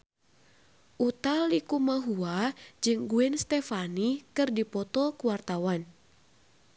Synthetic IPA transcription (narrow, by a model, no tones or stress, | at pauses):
ʔut̪alikumaɦuad͡ʒɨŋɡuɛnst̪ɛfanikɨrdipɔt̪ɔkuwart̪awan